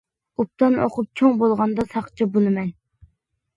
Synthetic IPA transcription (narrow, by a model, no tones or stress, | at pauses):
up̚t̪ɑno̰qʰʊp̚t͡ʃʲʰoŋbolˠʁɑnd̪ɑsɑχt͡ʃʰibolˠɨmɛn